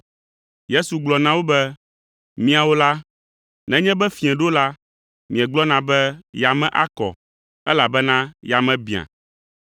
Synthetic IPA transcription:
je˦su˨ɡ͡blɔ˨nã˦wo˦bɛ˦ | mĩ˦a˨wo˦la˦ | nɛ̃˨˦ɲɛ̃˦bɛ˦fĩ˨ɛ̃˨ɖo˦la˦ | mĩ˨ɛ̃˨ɡ͡blɔ˦nã˨bɛ˦ja˨mɛ̃˨ʔa˦kɔ̰˨ | ɛ˦la˨bɛ˦nã˦ja˨mɛ̃˨bĩ˨ã̰˨

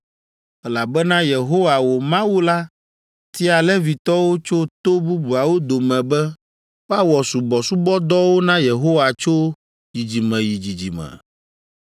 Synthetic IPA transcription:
ɛ˦la˨bɛ˦nã˦je˨ɦo˦wa˨wo˨mã˦wu˦la˦ | t̪i˦a˨lɛ˦vi˨t̪ɔ˦wo˦t͡ʃo˦t̪o˦bu˦bu˨a˨wo˦d̪o˨mɛ̃˨bɛ˦ | wa˦wɔ˨su˨bɔ˨su˦bɔ˦d̪ɔ˦wo˦nã˦je˨ɦo˦wa˨t͡ʃo˦ | ji˨d͡ʑi˨mɛ̃˨ji˨d͡ʑi˨d͡ʑi˨mɛ̰˨

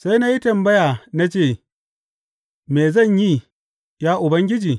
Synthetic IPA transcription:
sa˦jna˦ji˦tɐ˨mbɐ˦ja˨na˦t͡ʃeː˦˨ | meː˨zɐ˦˨ɲji˦ | jaː˦ʔʊ˨bɐ˦ŋɡʲɪ˦d͡ʒiː˨

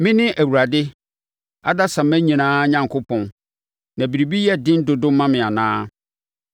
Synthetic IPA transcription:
mɪ̃˦nɪ̃˦ʔæ˨wu˨ɾa˨dɪ˦ | a̰˦da˦sã˨mæ̃˦ɲĩ˨nãː˦ɲã˨ŋkʰʊ˦pʰɔ̃˨n | nã˨bi˨ɾi˨bi˦jɛ˦dɪ̃˦n˦dʊ˨dʊ̃˦mã˦mɪ̃˨a˨nãː˦

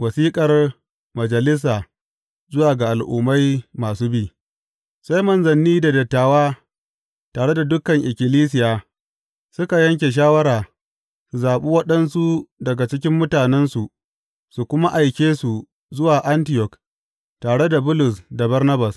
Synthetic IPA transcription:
wɐ˨siː˦kʼɐ˨r | mɐ˨d͡ʒɐ˨lɪ˦s̬aː˨ | zʊ˦waː˨ɡa˨ʔa˨lʔṵː˨ma˦jmaː˨suː˦biː˦˨ | sa˦jmɐ˨nzɐ˨nːiː˦da˨dɐ˨tːaː˨waː˦ | taː˨ɽe˦da˨dʊ˦kɐ˨ŋʔɪ˨kʲɪ˨liː˦s̬ɪ˨jaː˨ | sʊ˦ka˨jɐ˦ŋkʲe˨ʃ̬aː˦wɐ˦ɾaː˨ | su˨zaː˨ɓu˦wɐ˦ɗɐ˦nsu˦dɐ˨ɡa˨t͡ʃɪ˦kʲɪ˦mːʊ˦taː˨nɛ˦nsu˨ʔ | su˨kʷʊ˦ma˦ʔa˨jkʲeː˦su˨ | zʊ˦waː˨ʔa˦ntɪ˦˨jɔ˨k | taː˨ɽe˦da˨bʊ˦lʊ˨sda˨bɐ˦rnɐ˦ba˨s

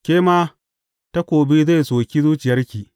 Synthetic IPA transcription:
kʲeː˦maː˦ | ta˦kʷoː˨bi˦za˦˨soː˨kʲi˦zuː˦t͡ʃɪ˨jɐ˦rkʲiː˨

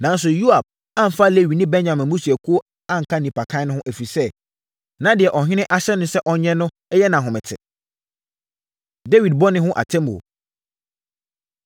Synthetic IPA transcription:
nã˨˦n˦s̬ʊ˨ju˦a˨b̥̚ | ã˦m̩˨fa˦˨le˦˨ɥi˨nĩ˦bɛ˦nɲã˨mɪ̃˨mũ˦su˨æ˨kʰu˦o˦ | ã˦ŋ̩˨kʰa˦nĩ˨pʰa˨kʰã˦nʊ̃˦hʊ̃˦ʔæ˨fi˨sɛ˦ | nã˦dɪ˨ɛ˨ʔɔ˨ɦɪ̃˦nɪ̃˦ʔa˦ɕɛ˦nʊ̃˦sɛ˦ʔɔ˨ɲɛ̃˦nʊ̃˦ | ɛ˦jɛ˦nã˨ɦʊ̃˨mɪ̃˨tʰɪ̰˨ | de˦wi˨d̚bɔ˦nɪ̃˦hʊ̃˦ʔa̰˨tʰɛ̃˦m˨o̰˨

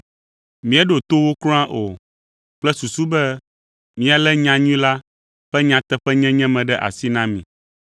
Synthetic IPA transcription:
mĩ˦ɛ˦ɖo˨t̪o˦wo˦klõ˦ã˦ʔo˨ | k͡plɛ˦su˨su˦bɛ˦ | mĩ˦a˨lɛ˦ɲã˨ɲũ˦la˦ | ɸɛ˦ɲã˨t̪ɛ˦ɸɛ˦ɲɛ̃˦ɲɛ̃˦mɛ̃˨ɖɛ˦ʔa̰˨si˦nã˦mḭ̃˨

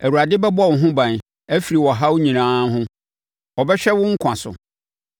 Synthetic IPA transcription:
æ˨wu˨ɾa˨dɪ˦bɛ˦bɔ˦˨wʊ̃˨ɦʊ̃˦bã˨n | æ˦fi˨ɾi˨wɔ˨ɦa˦wɲĩ˨nãː˦ɦʊ̃˦ | ɔ˨bɛ˦ɕᶣɛ˦wʊ̃˦ŋ̩˦kʷʰã˨sʊ̰˨

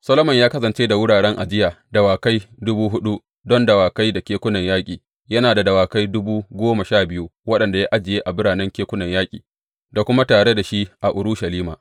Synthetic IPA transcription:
sɐ˦lo˦mɐ˨ɲjaː˦kɐ˦sɐ˨nt͡ʃeː˦da˨wʊ˦ɽaː˨ɽɛ˦ŋʔa˨d͡ʒɪ˦jaː˨dɐ˨waː˨ka˦jdʊ˦buː˦ɦʊ˦ɗu˦ | dɔ˦ndɐ˨waː˨ka˦jda˨kʲeː˦kʷʊ˦nɐ˨ɲjaː˦kʲʼiː˨ | jɐ˦naː˨da˨dɐ˨waː˨ka˦jdʊ˦buː˦ɡʷoː˦ma˨ʃaː˦˨bɪ˦ju˦wɐ˦ɗɐ˨nda˨ja˦ʔa˦d͡ʒɪ˨jeː˦ʔa˨bɪ˦ɽaː˨nɛ˦ŋkʲeː˦kʷʊ˦nɐ˨ɲjaː˦kʲʼḭː˨ | da˨kʷʊ˦ma˦taː˨ɽe˦da˨ʃi˦ʔa˨ʔʊ˨ɾu˦ʃa˨liː˦maː˨ʔ

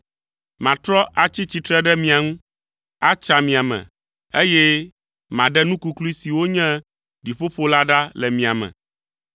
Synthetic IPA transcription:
mã˨t̪ɾɔ˦ʔa˨t͡ɕi˦t͡ɕi˨t̪ɾɛ˦ɖɛ˦mĩ˨a˨ŋũ˦ | a˦t͡ʃa˨mĩ˨a˨mɛ̰̃˨ | e˦jɛ˦ | mã˨ɖɛ˦nũ˦ku˦klu˦i˦si˨wo˦ɲɛ̃˦ | ɖi˨ɸo˦ɸo˦la˦ɖa˦lɛ˨mĩ˨a˨mɛ̰̃˨

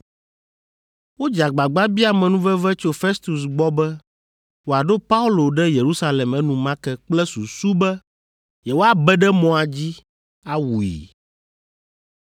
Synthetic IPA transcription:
wo˦d͡ʒa˨ɡ͡ba˨ɡ͡ba˦bi˦a˨mɛ̃˨nũ˦vɛ˦vɛ˦t͡ʃo˦fe˦st̪u˨s̬ɡ͡bɔ˦bɛ˦ | wo˨a˨ɖo˦pa˦u˦lo˨ɖɛ˦je˨ɾu˦sa˦lɛ˨mɛ˦nũ˨mã˦kɛ˦k͡plɛ˦su˨su˦bɛ˦ | jɛ˨wo˦a˨bɛ˦ɖɛ˦mɔ̃˨a˨d͡ʑi˦ | a˦wu˨ḭ˨

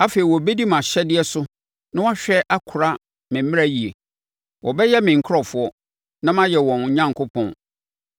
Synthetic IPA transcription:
a˦fe˨i˨wɔ˨be˦di˦mã˨ɕɛ˦dɪ˦ɛ˦sʊ˦ | nã˦wa˦ɕᶣɛ˦ʔa˦kʰʊ˨ɾa˦ | mɪ̃˨m̩˦ɪ̃˦a˨ji˨ḛ˨ | wʔɔ˨bɛ˦jɛ˦mɪ̃˨ŋ̩˨kʰʊ˦ɾɔ˨fʊ˦ɔ˦ | nã˦mã˦jɛ˨wɔ̃˨n̩˨ɲã˦ŋkʰo˦pʰɔ̰̃˨n

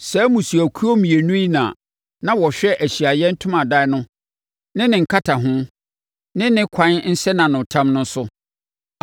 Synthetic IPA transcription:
sɛ˨˦mũ˨su˨æ˨kʰu˦o˦mĩ˨e˨nũ˦i˦nã̰ː˨ | nã˦wɔ˨ɕᶣɛ˦ʔæ˨ɕi˨a˨jɛ˦n̩˦tʰʊ̃˦mã˨da˦nʊ̃˦ | nɪ̃˦nɪ̃˨ŋ̩˨kʰa˦tʰa˨ɦʊ̃˦ | nɪ̃˦nɪ̃˦kʰã˦n˦n̩˦sɛ˦nã˨nʊ̃˨tʰã˦mnʊ̃˦n˦sʊ˦

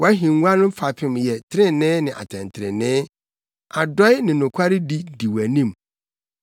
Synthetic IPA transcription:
wɔ˨˦æ˦ɦĩ˨ŋ˦a˦nʊ̃˦m̩˦fa˨pʰɪ̃˦mjɛ˨tʰɪ˦ɾɪ̃˦˨nɪ̃˦nɪ̃˨ʔa̰˨tʰɛ̰̃˨n˨tʰɪ˨ɾɪ̰̃˨nɪ̃ː˦ | a˨dɔ˦ɪ˦nɪ̃˨nʊ̃˨kʷʰa˦ɾɪ˦di˦di˨wæ˨nĩ˦˨m

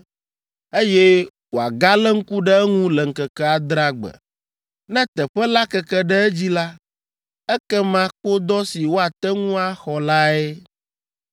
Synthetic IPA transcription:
e˦jɛ˦ | wo˨a˨ɡa˦lɛ˦ŋ̩˦ku˦ɖɛ˦ɛ˦ŋũ˦lɛ˨ŋ̩˨kɛ˨kɛ˦a˦d̪ɾa˦ɡ͡bɛ̰˨ | nɛ̃˦t̪ɛ˨ɸɛ˦la˦kɛ˦kɛ˦ɖɛ˦ɛ˦d͡ʑi˦la˦ | ɛ˦kɛ˦mã˦k͡po˦d̪ɔ˦si˨wo˦a˨t̪ɛ˦ŋũ˦a˦xɔ˨la˦ɛ˦

